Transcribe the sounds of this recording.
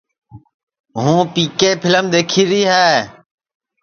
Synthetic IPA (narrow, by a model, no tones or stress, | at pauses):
ɦũːpiːkeːpʰɪləmd̪eːkʰiːɾiːɦɛː